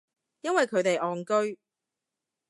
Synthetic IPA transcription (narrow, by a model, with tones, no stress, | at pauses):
jɐ˥nwɐ˨jkʰɵ˨˧ɥt̪e˨jʔɔː˨˩ŋkɵ˥ɥ